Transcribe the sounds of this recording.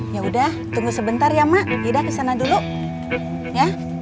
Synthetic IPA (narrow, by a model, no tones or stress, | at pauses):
jaudaht̪uŋɡusəbənt̪arjamaʔɡidakəsanaduluʔ | ja